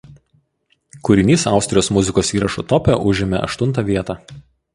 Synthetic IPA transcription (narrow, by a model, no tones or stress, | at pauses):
kʊɾʲɪnʲiːsɑˑʊsʲt̪ʲɾʲɪjoːsmʊzʲɪkoːsiːɾɐʃut̪ɔpʲɛʔʊʒʲɪmʲɛ̰ʔɐ̰ʃt̪ʊnt̪ɑʋʲiɛt̪ɑː